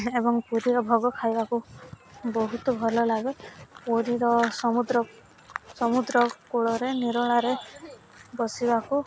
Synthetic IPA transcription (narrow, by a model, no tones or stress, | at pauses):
ebɔŋpuɾiɾɔbʱɔɡɔkʰajbaku | bɔɦut̪ɔbʱɔlɔlaɡepuɾiɾɔsɔmud̪ɾɔ | sɔmud̪ɾɔkuɭɔɾeniɾɔɭ̃aɾe | bɔsibaku